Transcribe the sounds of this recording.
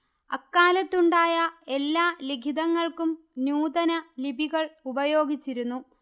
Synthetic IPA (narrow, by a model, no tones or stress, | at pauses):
ɐkːaːlɐt̪ːuɳɖaːjɐe̞lːaːliɡʱid̪ɐŋːɐɭkum | njuːd̪ɐnɐlibʱiɣɐɭubɐjo̞ːɡit͡ɕːiɾunːu